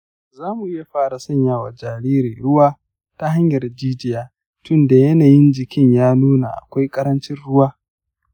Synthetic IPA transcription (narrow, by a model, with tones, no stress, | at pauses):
zaː˦mu˨ʔɪ˦ja˨ɸaː˦ɾa˨sɐ˦ɲjaː˦wa˨d͡ʒaː˨ɾiː˦ɾi˨ɽʊ˦waː˦ | ta˦ɦa˦ɲjɐ˨rd͡ʒiː˦d͡ʒɪ˦jaː˦ | tʊ˦nda˨jɐ˦naː˨jɪ˦nd͡ʒɪ˨kʲɪ˦ɲjaː˦nuː˦na̰˨ʔa̰˨kʷa˦jkʼɐ˦ɾɐ˦nt͡ʃɪ˦nɽʊ˦waː˦